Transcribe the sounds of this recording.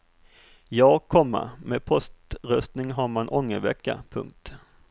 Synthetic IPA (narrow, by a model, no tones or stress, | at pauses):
jɑːɡkʰɔmːa̰meːd̪̚pʰɔst̪ɾœst̪nɪŋɦaɾmanʔɔŋːəvɛkːa̰pʰɵ̰ŋk̚t̪